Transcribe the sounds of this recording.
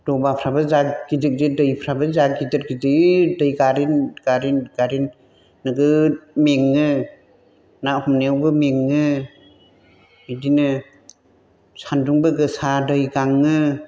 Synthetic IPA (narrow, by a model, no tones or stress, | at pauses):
d̥ɔbapʰɾabɯzaɡid͡ʒɯk̚dɯdɯjpʰɾabɯzaɡidɯt̚ɡizɯdɯjɡaɾinɡ̥aɾinɡ̥aɾinː | ɯɡɯmeŋːɯ | nahɔmnewbɯmeŋːɯ | idinɯ | sanduŋbɯɡɯsadɯjɡaŋːɯ